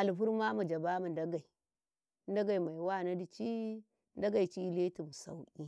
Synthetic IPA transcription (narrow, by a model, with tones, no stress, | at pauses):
a˨lɸu˦ɾma˦ma˨d͡ʒa˨ba˦ma˨nda˦ɡa˨i˨˦ | n˦da˦ɡa˨i˨ma˨i˨wa˦˨na˦di˨t͡ʃi˦ | n˦da˦ɡa˨i˨t͡ʃi˦le˦tu˨m˨sa̰˨wʔi˦